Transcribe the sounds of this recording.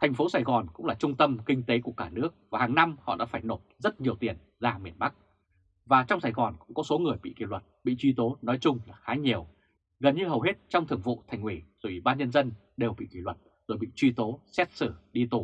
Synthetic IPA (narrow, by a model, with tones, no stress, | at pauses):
t̪ʰɛ˨˩ŋ̟fo˨˦saː˨˧˩jɣɔ˨˩nkʊ̰˧˥ŋ͡mlaː˨˩t͡ɕʊ˧ŋ͡mt̪ə˧mkï˧ŋ̟t̪e˨˦ku˧˩əkaː˧˩nɨ˦˥ək̚vaː˨˩haː˨˩ŋna˧mhɔ̰˧˨ɗa̰ː˧˥faː˧˩jno˨˩t̚zə˦˥t̚ɲi˨˩əwt̪i˨˩ən | zaː˧mi˧˩ənɓa˦˥k̚ | vaː˨˩t͡ɕɔ˧wŋ͡msaː˨˩jɣɔ˨˩nkʊ̰˧˥ŋ͡mkɔ˨˦so˨˦ŋɨ˨˩əjɓḭ˧˨kḭ˧˩lwə˨˩t̚ɓḭ˧˨t͡ɕwi˧t̪o˨˦nɔ˨˦jt͡ɕʊ˧ŋ͡mlaː˨˩xaː˨˦ɲi˨˩əw | ɣə˨˩nɲɨ˧ɦə˨˩wɦe˦˥t̚t͡ɕɔ˧wŋ͡mt̪ɨ˨˩əŋvṵ˧˨t̪ʰa˨˩jŋ̟hwi˧˩zo˨˩jʔi˧˩ɓaː˧nɲə˧nzə˧n | ɗe˨˩wɓḭ˧˨ki˧˩lwə˨˩t̚zo˨˩jɓḭ˧˨t͡ɕwi˧t̪o˨˦sɛ˦˥t̚sɨ˧˩ɗi˧t̪u˧˩